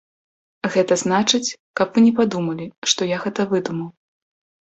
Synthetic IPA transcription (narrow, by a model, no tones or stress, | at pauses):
ɣɛt̪ɐzn̪at͡ʂɨt͡sʲ | kɐpvɨnʲɛpad̪umɐlʲiʂt̪ɔjaɣɛt̪ɐvɨd̪umɐw